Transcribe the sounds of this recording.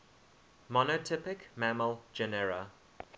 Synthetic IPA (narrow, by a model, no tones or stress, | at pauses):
mɔnotʰɪpɪkmæməld͡ʒɛnɛɹə